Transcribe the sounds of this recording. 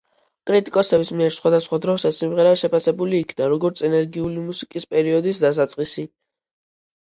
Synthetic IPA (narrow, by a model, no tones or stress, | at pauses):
kʼɾit̪ʼikʼɔsɛbismiɛɾsχwad̪asχwad̪ɾɔsasimʁɛɾaʃɛpʰasɛbuliːkʰnaɾɔɡɔɾt̪sʰɛnɛɾɡiulimusikʼispʼɛɾiɔd̪isd̪as̬at̪sʼqʼisi